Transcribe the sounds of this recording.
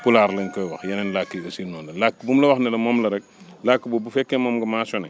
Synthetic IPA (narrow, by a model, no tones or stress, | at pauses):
pulaːɾlɛnkɔjwɐxjɐnɛnlakːiɡɐsinɔnlɐlakːbumlɐwɐxnɛlɐmɔːmlɐɾɛk̚lakːibubufɛkːemɔːmɡɐmaːsɔnɛ